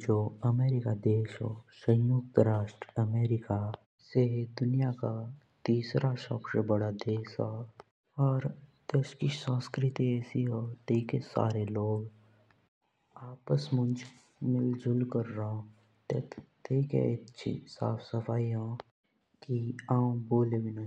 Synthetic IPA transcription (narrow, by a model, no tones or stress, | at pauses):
d͡ʒoːəmeːɾɪkad̪eːʃɦoːsə̃jjʊk̚t̪ɾaːʃʈɾəmeːɾɪka | sed̪ʊnijaka | t̪iːsɾaʃɔːbsebəɽad̪eːsɦa | ɔːɾt̪eːʃkisə̃ːskɾɪt̪iɛːsiɦoːt̪eːkesa̰ːɾeloːɡ | aːpəsmʊnd͡ʒ | mɪld͡ʒʱʊlkəɾːəɦõ | t̪ḛt̪ekḛtːt͡ʃʰḭsa̰ːfsəfaːiɦõ | kiãːũboːlewina